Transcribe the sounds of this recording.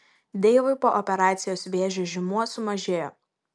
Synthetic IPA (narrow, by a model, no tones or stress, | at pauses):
d̪ʲeːʋʊɪpoːʔɔpʲɛɾɑːt̪sʲɪjoːsʋʲeːʒʲoːʒʲɪmuɔsʊmɐʒʲeːjoː